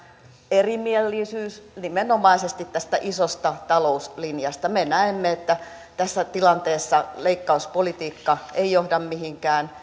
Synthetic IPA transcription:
erimielːisyːsnimenomɑisest̪it̪t̪æst̪æʔisost̪ɑt̪ɑlouslinjɑst̪ɑmenæemːeet̪ːæ | t̪æsːæt̪ilɑnt̪eːsːɑleikːɑuspolit̪iːkːɑeijohdɑmmihiŋkæːn

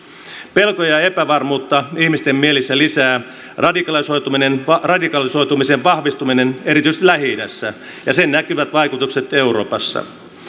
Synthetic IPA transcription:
pelkojɑe̞pæʋɑrmuːt̪ːɑihmist̪emːielisːælisæː | rɑdikɑliso̞jt̪uminenrɑdikɑliso̞jt̪umiseʋʋɑhʋist̪umine̞ne̞ɾit̪yist̪læɦidæsːæ | jɑsennækyʋæt̪ʋɑjkut̪ukset̪e̞uɾo̞ːpɑsːɑ̰

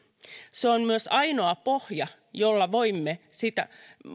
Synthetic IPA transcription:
seonmyøsɑinoɑpohjɑ | jolːɑʋoimːesit̪æ̰

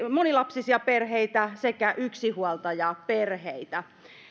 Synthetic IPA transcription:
monilɑpsisiɑperheit̪æsekæʔyksihuɑlt̪ɑjɑperheit̪æ

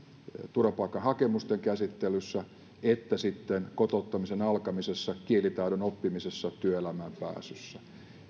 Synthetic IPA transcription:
t̪urɑpɑˑikːˑɑhɑkemust̪eŋkæsit̪ːelysːæ | et̪ːæsit̪ːenkot̪out̪ːɑmisenɑlkɑmisesːɑkielit̪ɑiɾonopːimisesːɑt̪yøelæmæmpæ̰ːsysːæ

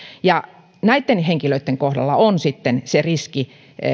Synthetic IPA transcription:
jɑ | næit̪ːenheŋkiløit̪ːeŋkohdɑ̰lːɑonsit̪ːenseriski

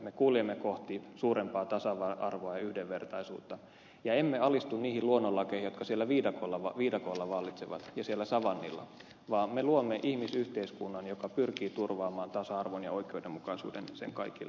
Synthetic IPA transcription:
mekuːliemːeko̞ht̪isuːɾempɑːt̪ɑsɑʋɑʔɑrʋoɑjɑyhdeʋʋert̪ɑisṵːt̪ːɑ | jɑemːeɑlist̪unniːhilluonːolːɑkehijokɑsielːæʋiːdɑkolːɑʋɑʋiːdɑkoːlːɑʋɑlːit̪seʋɑ̰t̪jɑsielːæsɑʋɑnːḭlːɑ̰ | ʋɑːmmeluomːeʔihmisyht̪eiskunːɑnjokɑpyrkiːt̪urʋɑːmɑːnt̪ɑsɑɑrʋonjɑoikˑeoudemːukɑisṵːdḛnsḛŋkɑikilː

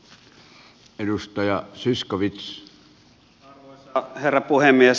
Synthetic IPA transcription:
edust̪ɑjɑsiskoʋit̪s | herːɑpuhemːˑies

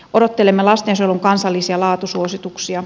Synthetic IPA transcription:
ʔodot̪ːelemːelɑst̪ensiolːoŋkɑnsɑlːisiɑlɑːt̪usuosit̪uksiɑ

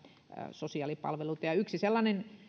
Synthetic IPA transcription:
sosiɑˑlipɑ̰lʋelut̪ɑjɑyksiselːɑnen

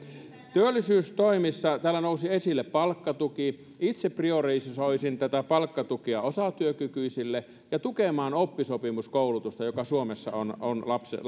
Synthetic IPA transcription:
t̪yølːisyːst̪oimisːɑt̪æːlːænousiesilːeppɑlkːɑt̪uki | it̪seprioreisisoisint̪æt̪æpɑlkːɑt̪ukiɑosɑt̪yøkykyisilːe | jɑt̪ukemɑːnopːisopimuskoulut̪ust̪ɑjokɑsuomesːɑ̰ononlɑpsḛ

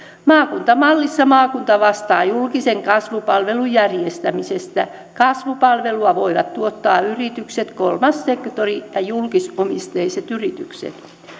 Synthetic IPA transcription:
mɑːkunt̪ɑmɑlːisːɑmɑːkunt̪ɑʋɑst̪ɑːjulkiseŋkɑsʋupɑlʋe̞lujærjest̪æmisest̪æ | kɑsʋupɑlʋe̞luɑʋo̞iʋɑt̪tuot̪ːɑːyrit̪ykset̪kolmɑsːekt̪orijɑjulkisomist̪eiset̪yrit̪yksḛt̪

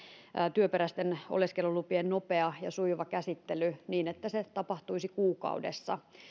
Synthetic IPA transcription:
t̪yøpeɾæst̪eno̰leskelulupiennopeɑjɑsuiʋɑkæsit̪ːelyniːnet̪ːæset̪ɑpɑht̪uisikuːkɑ̰udḛsːɑ̰

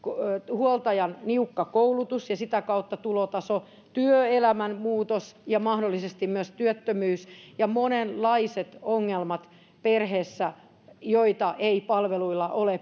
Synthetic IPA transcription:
khuolt̪ɑjɑnniukːɑkoulut̪usjɑsit̪ækɑut̪ːɑt̪uloːt̪ɑso | t̪yøelæmænmuːt̪osjɑmɑhdolːisest̪immyøst̪yøt̪ːømyːsjɑmonenllɑiset̪oŋːelmɑt̪ | perheːsːæ | joit̪ɑʔeipɑlʋeluilːˑɑʔole

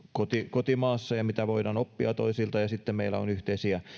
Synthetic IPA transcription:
kot̪ikot̪imɑːsːɑjɑmit̪æʋoidɑnopːiɑt̪oisilt̪ɑjɑsit̪ːemmeilːˑæ̰o̰nyht̪eisiæ

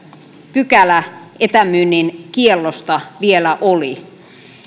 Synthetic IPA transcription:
pykælæʔet̪æmynːinkielːost̪ɑʋielæʔoli

